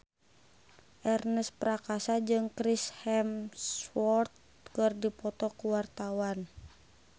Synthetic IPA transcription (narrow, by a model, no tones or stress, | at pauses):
ʔɛrnəspɾakasad͡ʒɨŋkɾishɛmswɔrt̪̚ | kɨrdipɔt̪ɔkuwart̪awan